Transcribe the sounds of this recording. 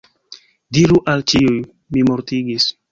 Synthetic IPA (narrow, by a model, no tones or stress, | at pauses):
diɾuʔalt͡ʃiuj | mimoɾtiɡis